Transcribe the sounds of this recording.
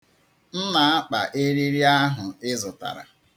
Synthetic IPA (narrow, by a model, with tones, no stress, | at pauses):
n̩˦na˨a˦k͡pa˨ʔe˦ɾi˦ɾi˦a˦ɦʊ˨ɪ˦zʊ˨ta̰˨ɾa̰˨